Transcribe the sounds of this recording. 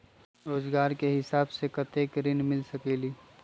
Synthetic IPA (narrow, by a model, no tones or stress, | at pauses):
ɾoːzɡaːɾkeɦɪsaːbsekɐt̪eːkɾɪnmɪlsɐkeːliː